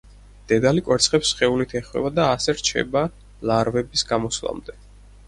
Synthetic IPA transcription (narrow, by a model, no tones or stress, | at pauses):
d̪̥ɛd̪alikʼwɛɾt̪sʰχɛpsχɛulit̪ʰɛχwɛ̰bad̪aːsɛɾt͡ʃʰɛ̰ba | laɾvɛbisɡamɔslˠa̰md̪ɛ